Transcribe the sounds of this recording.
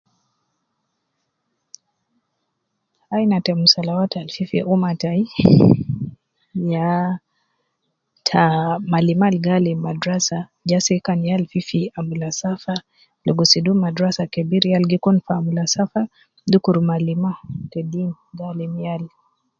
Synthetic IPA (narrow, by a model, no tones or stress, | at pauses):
ainatɛmusalawatalfifḭʔumatai | ja | tʰamalimalɡalimadɾasa | d͡ʒasɛkanijalfifiamulasafa | lɔɡɔsidumadɾasakɛbiɾialɡikɔnfaːmulasafa | dukuɾumalimatɛdin | ɡalimijal